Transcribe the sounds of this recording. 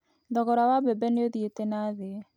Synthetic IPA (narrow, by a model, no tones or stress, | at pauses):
dɔɣɔɾawabɛbɛneoðietenaðe